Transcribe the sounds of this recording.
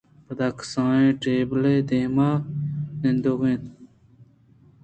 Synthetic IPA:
pɐd̪aksãːẽːʈeːbled̪eːmaːnend̪oɣẽːn

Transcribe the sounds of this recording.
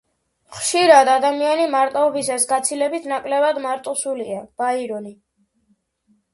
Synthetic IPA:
χʃiɾad̪ad̪amianimaɾt̪ʼaɔbisasɡat̪sʰilɛbit̪ʰnakʼlɛbad̪maɾt̪ʼusuliab̥aiɾɔni

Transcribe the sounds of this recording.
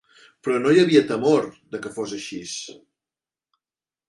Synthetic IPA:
pɾɔnojəβiət̪əmoɾd̪əkəfozəʃis

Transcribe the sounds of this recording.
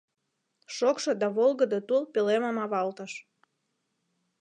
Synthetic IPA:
ʃokʃod̪ɑβolˠɣə̆d̪ɤt̪ulpeleməmɑβɑlt̪əʃ

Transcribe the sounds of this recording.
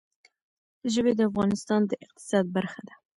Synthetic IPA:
d̪̥əʒəbed̪əafɣɑnɪst̪ɑnd̪əʔɪq̚t̪ɪ̥sɑd̪̚baɾxad̪a

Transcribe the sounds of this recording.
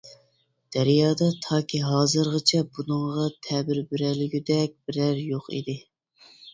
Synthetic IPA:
d̪̥æɾjɑːd̪ɑt̪ʰɑːkʲʰiɦɑːzɨɾʁət͡ʃʰɛbunɨŋʁɑt̪ʰɛbɪɾbɪɾælɪɡʲyd̪ɛk̚ʲb̥ɪɾæɾjoqḭd̪ɪ

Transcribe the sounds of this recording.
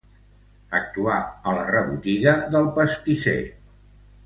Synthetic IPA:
ək̚t̪uaələrəβut̪iɣəðəlˠpəst̪isḛ

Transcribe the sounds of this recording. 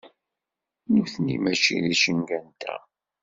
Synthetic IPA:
nuθnimæʃiðiʃənɡænt̪æ̰

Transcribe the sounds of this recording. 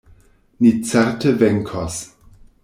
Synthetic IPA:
nit͡sɛɾtəvɛŋkʰos

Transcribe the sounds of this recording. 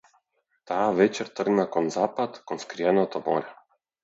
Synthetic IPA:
t̪aːvɛt͡ʃɛɾt̪r̩ɡnakɔnzapat̪kɔnskɾianɔt̪ɔmɔ̰ɾʲa

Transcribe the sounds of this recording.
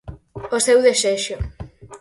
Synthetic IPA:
osewðeseʃo

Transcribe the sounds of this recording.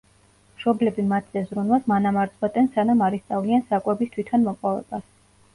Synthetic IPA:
mʃɔblɛbimat̪ʰzɛzɾunvasmanamaɾt̪sʼqwɛt̪ʼɛnsanamaɾist̪sʼavliansakʼwɛbist̪ʰwit̪ʰanmɔqʼɔvɛ̰b̥as

